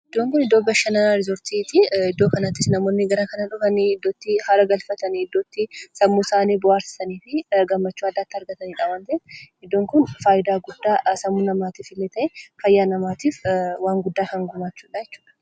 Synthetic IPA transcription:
ʔɪd̪ːoːŋkʊnɪd̪ːoːbɐʃɐnɐnaɾɪzɔɾt̪iːt̪ɪɪd̪ːo̞ːkɐnɐt̪ːɪsnɐmo̞ːnːɪɡɐɾɐkɐnɐᶑʊfɐnɪd̪ːot̪ːɪhɐɾɐɡɐlfɐt̪ɐnɪd̪ːoːt̪ːɪsɐmːusaːniːbʊʔaːɾsɪ̥sɐniːfɪɡɐmːɐt͡ʃːuːɐd̪ːaːt̪ːɪɐɾɡɐt̪ɐniːᶑaːwɐnt̪ɐefʔɪd̪ːoːŋkʊnfaːjɪd̪aːɡʊd̪ːaːsɐmːuːnɐmaːt̪iːfɪlːeːt̪ɐʔɛfɐjːaːnɐmaːt̪iːfwaːŋɡʊd̪ːaːkɐŋɡʊmaːt͡ʃːu̥ːᶑajɛt͡ʃːu̥ːᶑɐ̥

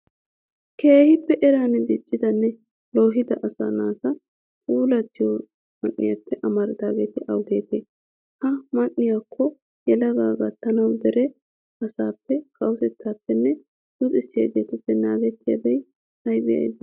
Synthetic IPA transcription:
ke̞ːhɪpːɛʔɛɾaːnɛd̪ɪt͡ʃʼːɪd̪ɐnːɛ | lo̞ːɦɪd̪ɐʔɐsa̰naːsɐ | kʼuːlɐt̪ːɪjo | mɐnːɪ̰japːɛʔɐmɐɾɪd̪aːɡe̞ːt̪ɪʔɐwɡe̞̰ːt̪eː | hɐmɐnːɪjakʰːɔ | jɛlɐɡaːɡat̪ːɐnɐwd̪ɛɾɛ | ɐsaːpːɛkɐwʊsɛt̪ːaːpːɛnːɛ | d̪̥ʊt̪ʼɪsːɪja̰ɡeːt̪ɛpːɛnaːɡɛt̪ːɪjɐ̰bɛj | hɐjbɪjɐ̰jd̪ɐ

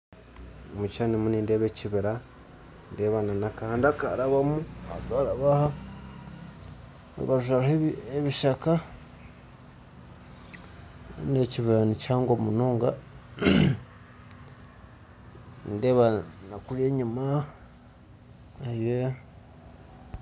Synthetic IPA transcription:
mut͡ʃanimuniːndeβeciβiɾa | ndeβananakahandaka̰ɾaβamua̰ɡaɾaβaha | βazuaɾaheβeβiʃaka | ndeciβiɾanit͡ʃaːŋɡomunoːŋɡa̰ | ndeβanakuɾeːɲima | aje

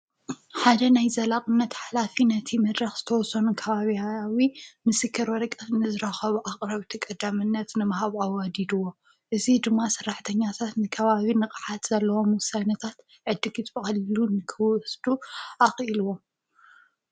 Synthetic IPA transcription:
ħad̪ɐnajzɐlaqʼɨnːɐt̪ħalafinɐt̪ʰimɐd̪ɾɐxz̥ɨt̪ʰɐwɔsɐnukʰɐβaβiawimɨsɨkʰːɨɾwɔɾɐkʼɐnɨzɨɾaxɐβuʔaqʼɾɐβt̪ʰɐkʼɐd̪amɨnːɐt̪nɨmɐhaβawɐd̪id̪uwo | ʔɨzid̪ɨmːasɨrːaħt̪ʰɐɲːat̪ʰat̪nɨkʰɐβaβinɨqʼħat̪zɐlːɐwo̞mwɔsanɐt̪ʰat̪ | ʕɨd̪ːɨɡɨt̪bɨxɐllunɨkʰɨwɔsd̪uʔaxʼʔiluwo

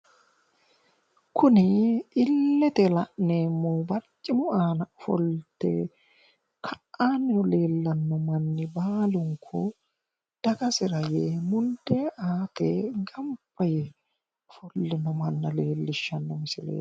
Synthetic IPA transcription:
kʰʊnɪɪlːɛt̪ɛlɐʔneːmːobɐlt͡ʃʼːɪmʊʔaːnɐfɔ̰lt̪ɛ̰ | kʰɐʔːaːnɔle̞ːlːɐnːɔmɐnːɪbaːlʊŋkʰɔ̰ | d̪̥ɐɡɐsɪɾɐjɛmʊnd̪eʔaːt̪ɛɡɐmb̥ɐjɛ | fɔlːɪnɔmɐnːɐle̞ːlːɪʃːɐnːɔmɪsɪlḛː

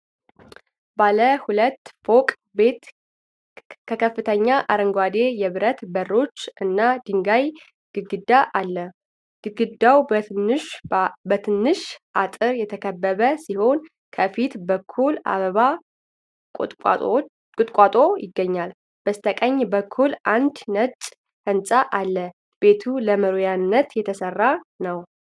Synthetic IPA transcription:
baləhulət̪ːfo̞kʼ | bet̪ | kʰəkʰəfːɨt̪ʰəɲːaʔaɾəŋɡwad̪e̞jɛβɨɾət̪bərːo̞t͡ʃːʔɨnːad̪ɨŋɡaj | ɡ̥ɨɡɨd̪ːaʔalːə | ɡ̥ɨɡɨd̪awʃbət̪ʰɨnːɨʃʔat̪ʼɨɾjɛt̪ʰəkʰəbːəβəsiho̞n | kʰəfit̪bəkʰːula̰βəβa | kʼʊt̪ʼkʷʼat̪ʼojɪɡːəɲːal | b̥əst̪ʰəkʼəɲːbəkʰːulʔand̪nət͡ʃʼ | hɨnsʼaʔalːə | b̥e̞t̪ʰuləməɾojanːət̪jɛt̪ʰəsərːanəw

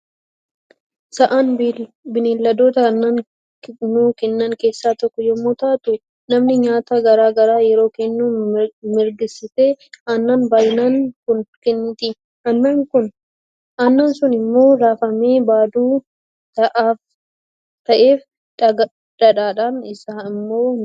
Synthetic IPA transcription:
sɐʔɐn | bɪnelːɐd̪o̞ːt̪ɐnːɐn | nːuːkɛnːɐŋke̞ːsːaːt̪ɔkːɔjɔmːoːt̪aːt̪ʊ | nɐmnɪɲaːt̪ɐɡɐɾaːɡɐɾaːjɛɾo̞ːkɛnːuːmɪɾɡɪsɪteɐnːɐnbaːjnɐnkʊnkɛnt̪ɪ | ɐnːɐŋkʊn | ɐnːɐnsʊnɪmːo̞ːɾaːfɐmeːbaːd̪uː | t̪ɐʔaːf | t̪ɐʔe̞ːf | ɡ | ᶑɐᶑaːᶑaːnɪsaːɪmːo̞ː

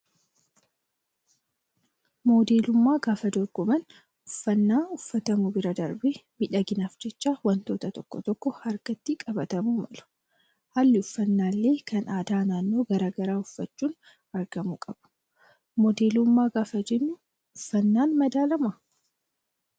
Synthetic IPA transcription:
mo̞ːd̪e̞ːlʊmːaːɡaːfɐd̪ɔɾɡ̥ɔmɐn | ʊfːɐnːaːʊfːɐt̪ɐmʊbɪɾɐd̪ɐɾbeːmɪᶑɐɡɪnaːfd͡ʒɛt͡ʃːaːwɐnt̪o̞ːt̪ɐt̪ɔkːɔ̰t̪ɔkːɔhɐɾɡɐt̪ːikʼɐbɐt̪ɐmumɐlʊ̥ | halːɪʊfːɐnːaːlːe̞ːkɐnaːd̪aːnaːnːo̞ːɡɐɾaːɡɐɾaːʊfːɐt͡ʃːuːn | ɐɾɡɐmukʼɐb̥ʊ̥ | mɔd̪eːlʊmːaːɡaːfɐd͡ʒɛnːʊ | ʊfːɐnːaːnmɐd̪aːlɐmɐ

